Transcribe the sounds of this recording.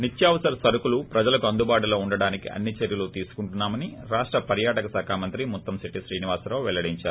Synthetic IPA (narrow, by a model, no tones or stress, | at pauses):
nit̪jaːʋɐsɐɾɐsɐɾukulupɾɐd͡ʒɐlɐkuɐnd̪ubaːʈulo̞ːuɳɖɐɽaːnikiʔɐ̰nːit͡ʃeɾjɐlut̪iːsu̥kuɳʈunːaːmɐniɾaːʂʈɾɐpɐɾjaːʈɐkɐsaːkʰaːmɐnt̪ɾimut̪ːɐmsiʈiʃɾiːniʋaːsɾɐwʋɛlɐɽiɲt͡ʃaːɾu